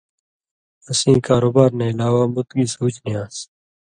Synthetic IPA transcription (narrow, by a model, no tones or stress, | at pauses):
əsĩːkaːɾoːbaːɾneːɪlaːwaːmʊt̪ɡiːsuːt͡ʃnɪjãːs